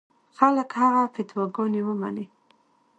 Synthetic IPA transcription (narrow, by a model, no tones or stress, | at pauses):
xaləkhaɣafɪt̪wɑɡɔnewəma̰ne